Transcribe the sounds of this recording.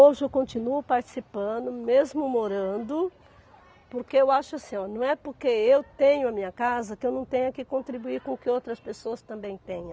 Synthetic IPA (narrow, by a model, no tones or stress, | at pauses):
oʒɪewkõnt͡ʃinuʊpaɾt͡ʃi̥sipɐ̃d̪ʊmezmʊmoɾɐ̃nd̪ʊ | poɾkeewaʃʊasĩɲɔnɐ̃w̃ɛpoɾkeewt̪ẽɲʊɐmĩɲɐkazɐkɪewnɐ̃w̃t̪ẽɲʊɐkɪkõnt̪ɾibuiɾkõkɪowt̪ɾɐspesoɐst̪ɐ̃mbẽj̃t̪ẽɲɐ̃